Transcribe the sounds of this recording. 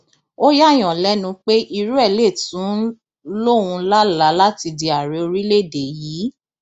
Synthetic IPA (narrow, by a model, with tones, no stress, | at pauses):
o˦ja˦˨j̃ɔ̃˨lɛ˨˦nũ˧˦k͡pe˦ʔi˧ɾu˦ɛ˦˨le˦˨tũ˨˦ | lo˦˨wũ˧la˦la˨˦la˦ti˧di˨˧a˨ɾe˨˦o˧ɾi˦le˦˨de˨jiː˨˦